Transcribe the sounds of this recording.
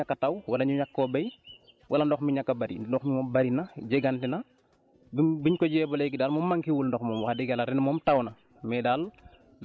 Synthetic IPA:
ɲakːɐtɐwwɐlɐɲuɲakːɔːbɐj | wʔɐlɐndɔxmiɲakːɐbɐɾḭdɔxmimɔːmbɐɾinɐɟɛɡantinɐ | bbiɲkɔɟɛːbɔlɛɡidaːlmɔːmːaŋkiwulndɔxmɔːmwaxdiɡɐlɐɾɛnmɔmtɐwnɐ | mɛdaːl

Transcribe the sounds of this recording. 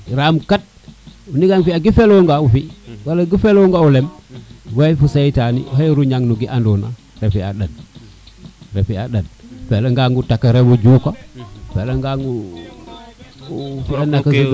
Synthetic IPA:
ɾamkat̚ | uniɡaŋfiaɡifeloŋɡaufiwalaɡifeloŋɡaulemwajfusajitanḭɦajɾuɲaŋnuɡiʔandona̰ | ɾefia̰ɗən | ɾefiaɗənfeleŋɡaŋɡutakːaɾewud͡ʒukofeleŋɡaŋɡu | fianakːa

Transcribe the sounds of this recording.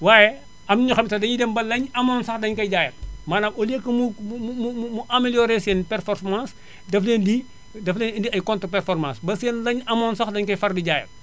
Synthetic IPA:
waːjɛ | ɐmɲuxɐmsɐdɐɲidɛmbɐlːɐɲɐmɔnsɐxdɐɲkɐjɟaːjɐt̚maːnɐmɔlekːəmuumumumumuʔɐmeljɔːɾesɛːnpɛrfɔrmãːs | dɐfleːndi | dɐflɛnndiɐjkɔntəpɛrfɔrmãːsbɐsɛːnlɐɲɐmɔnsɐxdɐɲkɐjfɐrdiɟaːjɐ̰t̚

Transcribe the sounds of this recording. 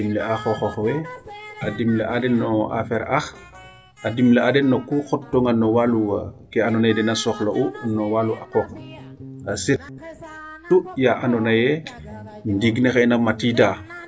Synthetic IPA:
imleaxɔxɔxwɛadimleʔadɛnːɔʔa̰fɛɾax | ʔadimleadɛnːokuxɔtːɔŋanɔwaluwa̰kɛanɔnajɛdɛnasɔxloʔunɔwaluʔakɔk | aset | tːujaʔanɔnajɛ | ndiɡnexɛnamatida

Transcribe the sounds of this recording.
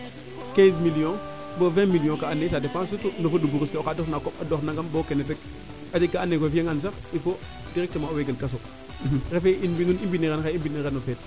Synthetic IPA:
kɛ̃zmiliõ | bovɛ̃milijõkaanesadepãs̬utunofodubuɡuskeokadofnakopadoxnaɡambokenet̬ek̚ | adikːaanːekʷwefieŋans̬akifo | diɾek̚temaoweɡelkas̬o | ɾefeinbinunibiniɾenxaibiniɾenːofet̚

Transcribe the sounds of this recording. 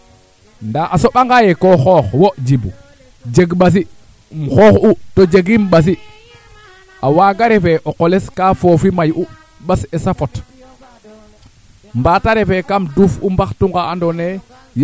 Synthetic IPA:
ndaʔasoɓaŋɡajekoxoːxwod͡ʒibu | d͡ʒeɡɓas̬i | mxoːxutod͡ʒeɡimɓas̬i | awaːɡaɾefeʔoqoleskaːfofimajʔu | ɓasesafot | mbataɾefekamduːfumbaxtuŋɡaandone | j

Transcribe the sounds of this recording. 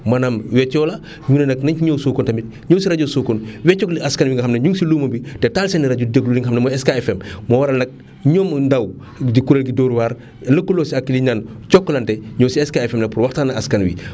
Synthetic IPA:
mɐnamwɛcːɔlɐ | ɲuːnɛnɐknɐɲiɲowsukɔntɐmit̚ | ɲɔːsiɾɐɟosuːkɔnwɛcːɔkliaskɐnwiŋɡɐxɐmnɐɲuŋɡsilumɐbitɛtalsɛniɾɐɟudeɡluliŋɡxɐmnɐmɔɛskaɛfɛmmɔwɐɾɐlnɐk̚ | ɲɔːmndɐw | dikuɾelɡidoːɾuwaːr | lɐkːulɔːsiɐkːiliɲant͡ʃɔkːɔlɐntɛɲɔːwsiɛskaɛfɛmnɐpurwɐxtaːnɐaskɐnwḭ

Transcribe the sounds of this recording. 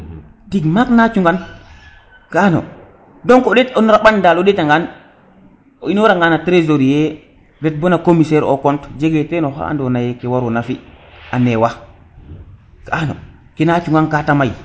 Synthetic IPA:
tiɡmaknat͡ʃuŋɡan | kaano̰ | doŋkoɗetonoɾaɓandaloɗetaŋɡan | oinoɾaŋɡanatɾezoɾije | ɾet̚bonakomiseɾo̰kɔntd͡ʒeɡetenoɦa̰a̰ndonajekewaɾonafianewa | kaʔano̰ | kinat͡ʃuŋɡankatamaj

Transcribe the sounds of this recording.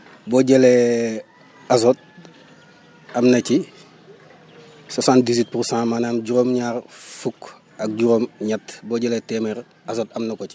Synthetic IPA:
boɟele | azot̚ | ɐmnɐci | sasãnt̚dizwit̚puɾsãːmanamɟuɾoːmɲaːɾfuk | ɐk̚ɟuɾomɲatboɟeletemeɾ | azotɐmnɐkoci

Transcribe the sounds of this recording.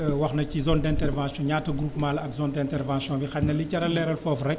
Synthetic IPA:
wɐxnɐcizɔndɛ̃ntɛrvãːsjɔ̃ɲaːtːɐɡɾuːpmalɐkzɔndɛ̃ntɛrvãnsjɔ̃nbixɐtnɐlicɐɾɐlːɛːɾɐlfɔfrɛk̚

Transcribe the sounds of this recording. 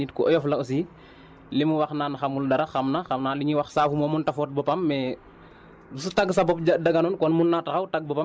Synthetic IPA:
it̚kɔʔɔjɔflɐɔs̬i | limuwaxnaːnaxɐmuldɐɾɐxɐmnɐxɐmnaːliɲiwɐxsaːfumɔːmuntɐfɔːt̚bɔpɐmːɛ | usutɐɡsɐbɔp̚d͡ʒɐdɐɡɐnɔnkɔnmunːatɐxɐwtɐɡ̚bɔpɐ

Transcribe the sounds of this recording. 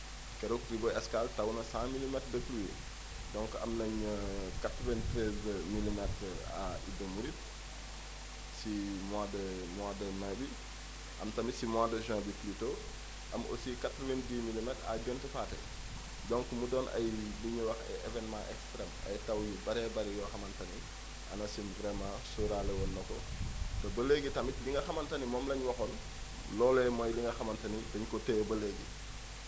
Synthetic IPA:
kɛɾokɾibɔɛskaltɐwnɐsãːmilimɛtdəpluwi | dɔŋkɐ̰mnɐɲəkatɾɔvɛntɾɛzmilimɛtɾa̰idəmuɾit | simwaːdə | mwaːdəmãbi | ʔɐmtɐmisimwaːdəʒãːbiplito | ʔɐmo̰sikatɾɔvɛndiːmilimɛta̰ɟɔntɛfaːtɛ̰ | dɔŋkumudɔːnʔɐ̰jliɲwɐxɛ̰ʔevɛnmãʔɛkspɾɛmɐ̰jtɐwjibɐɾɛbɐɾɛjɔxɐmɐntɐni | ʔɐ̰nɐsinvɾɛmãːsuɾalɛwɔnːɐkɔ̰tɐbɐleɡitɐmitliŋɡɐxɐmɐntɐnimɔːmlɐɲwɐxɔn | lɔlɛmɐjliŋɡɐxɐmɐntɐnidɐɲkɔtɛbɐleɡḭ

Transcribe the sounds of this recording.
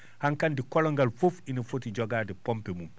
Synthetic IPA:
haŋkandikɔlɔŋɡalfufinɐfotid͡ʒɔɡaːdipɔmpemum

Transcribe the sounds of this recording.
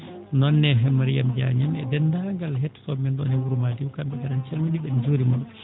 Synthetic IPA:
nɔnːɛɦɛmaɾijamd͡ʒa̰ɲamɛ̰dɛndaŋɡalɦɛtːsɔmɛndɔnɛwuɾumadiwkambɛkadant͡ʃɛlminiɓɛnd͡ʒuːɾimal

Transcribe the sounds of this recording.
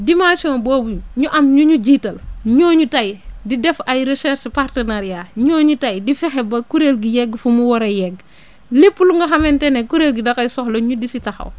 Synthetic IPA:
dimãsiɔnboːbuɲuɲuʔɐmɲuɲuɟitɐlɲoːɲutajdidɛfajɾesɛɾʃpartənaɾjaɲoːɲutɐjdifɛxɛbɐkuɾelɡijɛɡːfumuwɔɾɐjɛɡ | lipːuluŋɡɐxɐmɛntɛnekuɾelɡidɐkɐjsɔxloɲudisitɐxɐ̰w

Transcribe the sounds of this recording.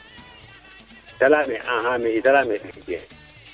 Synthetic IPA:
talamɛʔãɦamɛitalamɛɗɛɡɛ̰

